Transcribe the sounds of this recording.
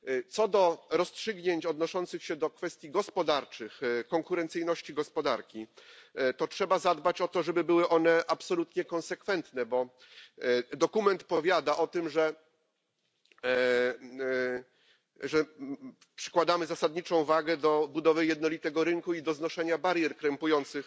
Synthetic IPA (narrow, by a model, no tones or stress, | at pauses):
t̪sɔd̪ɔɾɔstʂɘɡɲeɲt͡ɕɔd̪nɔʂɔnt̪sɘxɕɛd̪ɔkfɛst̪ʲjiɡɔspɔd̪aɾt͡ʂɘxkɔŋkuɾɛnt̪sɘjnɔɕt͡ɕiɡɔspɔd̪aɾkʲi | t̪ɔtʂɛbazad̪bat͡ɕɔt̪ɔʐɛbɘbɘwɘʔɔnɛʔapsɔlut̪ɲɛkɔ̃nsɛkfɛnt̪nɛbɔ | d̪ɔkumɛnt̪pɔvʲjad̪aʔɔt̪ɘmʐɛ | ʐɛ | pʂɘ̥kwad̪amɘzasad̪ɲit͡ʂɔ̃w̃vaɡɛd̪ɔbud̪ɔvɘjɛd̪nɔlʲit̪ɛɡɔɾɘŋkuid̪ɔznɔʂɛɲabaɾjɛɾkɾɛmpujɔnt̪sɘx